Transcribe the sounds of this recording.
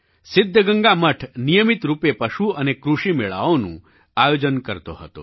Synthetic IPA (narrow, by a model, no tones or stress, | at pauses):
sɪd̪ʱːəɡəŋɡaməʈʰnijəmit̪ɾupepəʃuənekɾuʂimeɭa̰ʋonṵ̃ | ajod͡ʒənkəɾt̪o̰ɦə̰t̪o̰